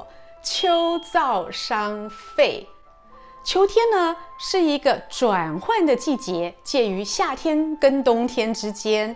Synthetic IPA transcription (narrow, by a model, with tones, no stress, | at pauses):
t͡ɕʰjo˥ʊt͡sɑ˥˩ʊʂɑ˥ŋfe˥˩ɪ | t͡ɕʰjo˧˥ʊt̪ʰjɛ˥nnə˨ʂɻ̩˥˩i˧˥ɡə˧ʈ͡ʂwa˨˩nxwa˥˩nd̪ə˩t͡ɕi˥˩t͡ɕjɛ˧˥t͡ɕjɛ˥˩y˧˥ɕja˥˩t̪ʰjɛ˥nkə˥nt̪ʊ˥ŋt̪ʰjɛ˥nʈ͡ʂɻ̩˥t͡ɕjɛ˥n